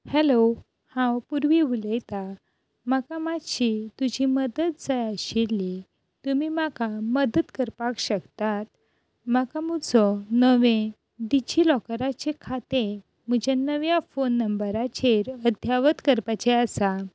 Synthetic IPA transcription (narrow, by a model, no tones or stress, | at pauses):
hɛlo | hãwpuɾʋiuləjt̪a | makamaɕit̪ud͡ʑiməd̪ət̪̚d͡zajaɕili | t̪umimakaməd̪ət̪kəɾpakɕəkt̪at̪̚ | makamud͡zɔnəʋẽ | d̪it͡ɕilɔkɾat͡ɕekʰat̪e | m̤əd͡ʑanəʋjafonːəmbəɾat͡ɕeɾəd̪ʱjaʋət̪kəɾpat͡ɕeəsa